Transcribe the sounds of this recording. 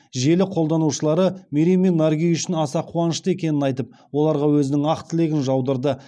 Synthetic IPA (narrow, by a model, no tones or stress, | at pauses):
ʒe̞lɪqʰo̞lˠd̪ɑnuʃəlˠɑɾəmeɾimenːaɾɡʲijʏʃɪnɑsɑqʰuɑnəʃt̪əe̞kʲe̞nɪnɑjt̪əp̚wo̞lˠɑɾʁɑwɵzɪnɪŋɑqt̪ʰɪle̞ɡʲɪnʒɑwd̪əɾd̪ə